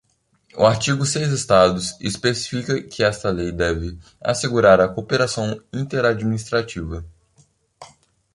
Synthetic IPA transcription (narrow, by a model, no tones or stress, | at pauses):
ʊ̰aɾt͡ʃiɡʊsejzest̪ad̪ʊsespesi̥fikɐkʰɪɛst̪ɐlejd̪ɛvɪ | a̰seɡuɾaɾɐkopeɾasɐ̃w̃ĩnt̪eɾad͡ʒminist̪ɾat͡ʃivɐ